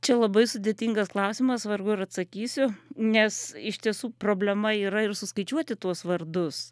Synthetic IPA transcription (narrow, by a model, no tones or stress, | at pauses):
t͡ʃʲɛlˠɐbɐɪsʊd̪ʲeːt̪ʲiŋɡɐsklˠɐʊsʲɪmɐsʋɐɾɡʊɪɾɐt̪sɐkʲiːsʲʊnʲɛsɪʃʲt̪ʲiɛsuːproːbʲlʲɛmɐiːɾɐɪɾsʊskɐɪt͡ʃʲuɔt̪ʲɪt̪uɔsʋɐrd̪ʊs